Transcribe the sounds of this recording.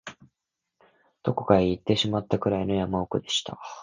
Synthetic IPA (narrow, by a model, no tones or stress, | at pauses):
d̪̥o̞ko̞kaeit̪ːe̞ɕimat̪ːakɯ̟ɾaino̞jamaokɯ̟d̪e̞ɕi̥t̪a̰